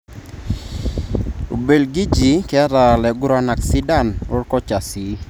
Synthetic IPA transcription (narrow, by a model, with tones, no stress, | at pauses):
o˨be˨lɡi˦d͡ʒi˨kɛ˦ɾa˨lɛ˨ɡʊ˦ɾa˦na˨ksi˦da˦nʊ˦rkɔ˦t͡ʃa˨si˨